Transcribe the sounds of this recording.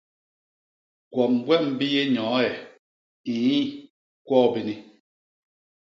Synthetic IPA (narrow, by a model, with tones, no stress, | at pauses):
kwɔ˨m˨bwɛ˦m̩˨bi˦je˦ɲɔ̃ː˨˦ɛ˨ | i˨˦i˦ | kwɔː˦˨bi˦ni˦